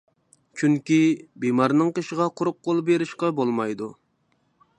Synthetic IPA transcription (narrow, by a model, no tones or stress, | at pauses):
t͡ʃʰyŋkʲibimɑɾnɨŋqəʃəʁɑqʰʊɾʊp̚qʰolˠbeɾɪʃqɑbolˠmɑjd̪u